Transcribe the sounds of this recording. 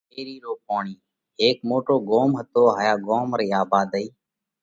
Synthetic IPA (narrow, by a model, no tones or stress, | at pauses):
eːɾiːɾoːp̚oːɳiː | ɦeːk̚moːʈoːɡoːmɦət̪oːɦaːjaːɡoːmɾiːaːbaːd̪əiː